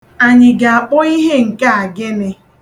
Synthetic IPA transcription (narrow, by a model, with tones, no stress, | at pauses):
a˨ɲɪ˨ɡa˨a˨k͡pʊ˦i˦ɦe˦ŋ̩˨ka˦a˨ɡe˦mɪ˦